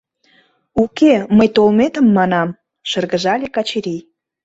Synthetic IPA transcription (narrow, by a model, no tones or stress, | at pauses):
ukeməjt̪olmet̪əmːɑnɑm | ʃərɣə̆ʒɑlʲekɑt͡ɕeɾij